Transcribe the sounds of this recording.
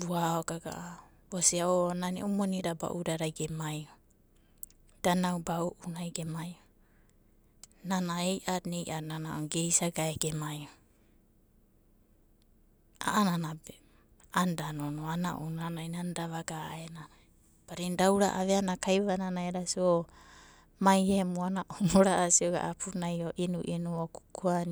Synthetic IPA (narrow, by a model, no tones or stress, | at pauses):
buaoɡaɡa̰ʔa | bosiaonanḭʔumoniɾaba̰ʔuɾaɾajɡemajo | d̥anawbauʔunajɡemajo | nanaejʔaɾnejʔananaoɡe̞jsaɡaeɡemajo | a̰ʔananabe | andanonoana̰ʔunanajnandaβaɡaenana | b̥aɾindawɾa̰ʔaβeanakajβananaeɾasio | majemuanaʔomoɾaʔasioɡa̰ʔapʰunajoʔinuʔinuoku̥koan